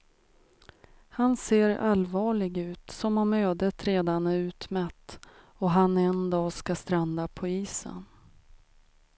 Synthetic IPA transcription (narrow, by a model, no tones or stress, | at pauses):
hanseːɾa̰lvɑːɭɪɡʉ̟ːt̪sɔmɔmøːd̪ət̪ɾeːd̪anɛʉ̟ːt̪mɛt̪ː | ɔɦanɛnd̪ɑːskast̪ɾand̪apʰɔiːsə̰n